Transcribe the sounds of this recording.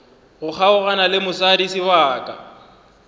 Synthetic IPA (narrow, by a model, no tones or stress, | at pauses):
ɣʊk͡xʰaʊɣanalɪmʊsadisiwaːkʼa̰